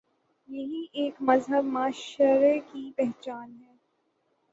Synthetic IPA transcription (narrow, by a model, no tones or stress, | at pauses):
jɐɦiʔeːkmɐzɦəbmaːʃəɾekipɛɦt͡ʃaːnɦɛː